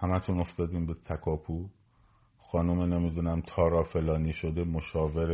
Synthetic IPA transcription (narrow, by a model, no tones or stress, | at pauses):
hæmæt̪ʰuno̞ft̪ɒːd̪iːmbet̪ʰækʰɒːpʰu | xɒːnumenemid̪unæmt̪ʰɒːɾɒːfe̞lɒːniːʃod̪e̞moʃɒːveɾ